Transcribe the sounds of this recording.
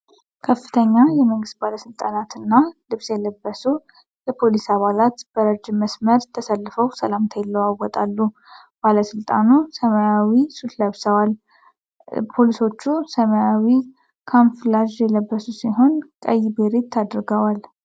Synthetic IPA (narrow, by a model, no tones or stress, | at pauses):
kʰəfːɨ̥t̪ʰəɲːajɛməŋɡɨst̪̚baləsɨlt̪ʼanat̪ɨnːalɨβsjɛləbːəsu | ləpʰo̞lisaβalat̪b̥əɾəd͡ʒɪməsməɾt̪ʰːəsəlːɨfəwsəlamt̪ʰajlːəwawɔt̪ʼalːu | b̥aləsɨlt̪ʼa̰nusəmajawisut̪ləβsəwal | pʰo̞liso̞t͡ʃːusəmaawi | kʰanflaʒjɛləbːəsusiɦo̞nkʼə̰jːbeɾet̪ʰːad̪ɾɡəwal